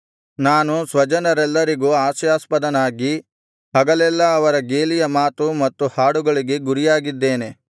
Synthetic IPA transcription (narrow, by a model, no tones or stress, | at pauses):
naːnusʋɐd͡ʒɐnɐɾɛlːɐɾiɡuːaːʃjaːspɐd̪ɐnaːɡi | ɦɐɡɐlɛlːɐːʋɐɾɐɡeːlijɐmaːt̪umɐt̪ːuhaːɽuɡɐɭiɡe̞ɡuɾijaːɡid̪ːe̞ːne̞